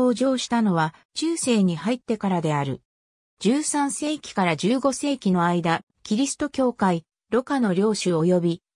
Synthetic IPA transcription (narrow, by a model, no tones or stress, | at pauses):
oːʑo̞ːɕi̥t̪ano̞βat͡ɕɨːse̞ːɲ̟ihait̪ːe̞kaɾad̪e̞aɾɯ̟ | d͡ʑɨːsãɰ̃se̞ːkʲi̥kaɾad͡ʑɨːɡo̞se̞ːkʲino̞aid̪a | kʲiɾʲisɨ̥t̪o̞kʲo̞ːkai | ɾo̞kano̞ɾʲo̞ːɕɨo̞jo̞bʲi